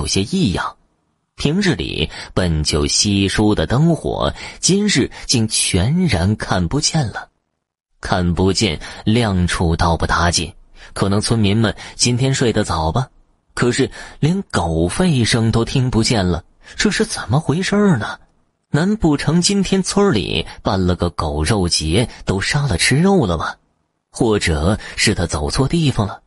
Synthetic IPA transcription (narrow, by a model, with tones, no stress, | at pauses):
ʊɕjɛ˥i˥˧jɑ̰˥˩ŋ | t̪ʰi˧˥ŋɻ̩˥˩lḭ˨˩pə˨˩nt͡ɕjo˨˩ʊɕi˥ʂu˥d̪ə˨t̪ɤ˥ŋxwɔ̰˨˩˦t͡ɕi˥nɻɻ̩˥˩t͡ɕi˥˩ŋt͡ɕʰɥɛ˧˥nɻa˧˥nkʰa˥˩npu˧˥t͡ɕjɛ˥˩nlə˩ | kʰa˥˩npu˧˥t͡ɕjɛ̰˥˧nljɑ˥˧ŋʈ͡ʂʰu˥˧t̪ɑ˥˧ʊpu˥˩t̪a˧˥t͡ɕḭ˥˩nkʰɤ˨˩nɤ˧˥ŋt͡sʰwə˥nmi˧˥nmə˨nt͡ɕi˥nt̪ʰjɛ˥nʂwe˥˩ɪd̪ə˩t͡sɑ˨˩ʊbɐ˦ | kʰɤ˨˩ʂɻ̩˥˩ljɛ˧˥nko˨˩ʊfe˥˩ɪʂɤ˥ŋt̪o˥ʊt̪ʰi˥ŋpu˧˥t͡ɕjɛ˥˩nlə̰˩ | ʈ͡ʂɤ˥˧ʂɻ̩˥˩t͡sə˨˩nmə˦xwe˧˥ɪʂə˥nə˩ | na˧˥npu˥˩ʈ͡ʂʰɤ˧˥ŋt͡ɕi˥nt̪ʰjɛ˥nt͡sʰwə˥lḭ˨˩pa˥˩nlə˩ɡə˧ko˨˩ʊɻo˥˩ʊt͡ɕjɛ˧˥t̪o˥ʊʂa˥lə˨ʈ͡ʂʰɻ̩˥ɻo˥˧ʊlə˩mɐ˩ | xwɔ˥˩ʈ͡ʂɤ˨˩ʂɻ̩˥˩t̪ʰa˥t͡so˨˩ʊt͡sʰwɔ˥˧t̪i˥˧˩fɑ˨˩ŋlə˩